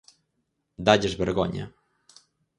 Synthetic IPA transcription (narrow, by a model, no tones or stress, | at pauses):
d̪ad͡ʑɛʐbɛɾɡɔ̰ɲɛ̰